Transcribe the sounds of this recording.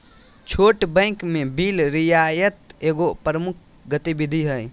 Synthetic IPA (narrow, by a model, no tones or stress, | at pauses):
t͡ʃʰoːʈbə̃ɪkmebilɾijajət̪eːɡopɾəmukʰ | ɡət̪ibid̪ʱiɦəj